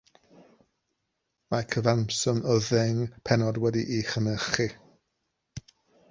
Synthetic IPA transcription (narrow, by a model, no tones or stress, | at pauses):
makʰəvamsɔməðɛŋpʰɛnɔdwɛdiʔiχənəχi